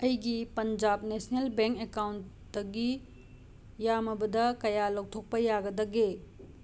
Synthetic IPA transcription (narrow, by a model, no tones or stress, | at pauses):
ɐjɡipɐnd͡ʒab̚nesnelbeŋkekawnt | d̥ɐɡi | jamɐbɐdɐkɐjalok̚tʰok̚pɐjaɡɐdɐɡe